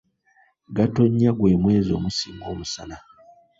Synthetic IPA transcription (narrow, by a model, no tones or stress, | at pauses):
ɡato̞ɲːaɡwe̞ːmwe̞ːzo̞̰ːmusiːŋɡo̞ːmusa̰na